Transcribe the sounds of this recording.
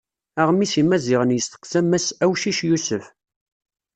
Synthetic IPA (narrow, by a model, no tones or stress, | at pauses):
æʁmisimæzɪʁənjəst̪ə̥qsæmːæsæwʃiʃjusəf